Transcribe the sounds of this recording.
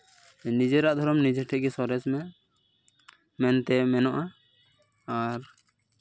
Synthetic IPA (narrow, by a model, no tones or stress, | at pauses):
nid͡ʒɛɾaʔd̪ʱɔɾɔmnid͡ʒɛʈʰɛɡɛsɔɾɛsmɛ | mɛnt̪ɛmɛnɔʔa | aɾ